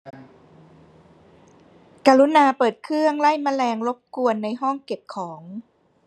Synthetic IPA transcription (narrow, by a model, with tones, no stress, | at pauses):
kaː˧lu˦˥naː˧pɤː˨˩t̪̚kʰɯ˥˩əŋla˥˩jma˧lɛː˧ŋlo˦˥p̚ku˧ənːa˧jɦɔ˥˩ŋke˨˩p̚kʰɔː˩˦ŋ